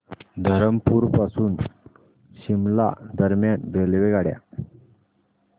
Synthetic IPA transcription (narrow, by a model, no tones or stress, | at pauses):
d̪ʱəɾəmpuːɾpasuːn | ɕimla̰d̪əɾmjanbelʋeɡaɽja̰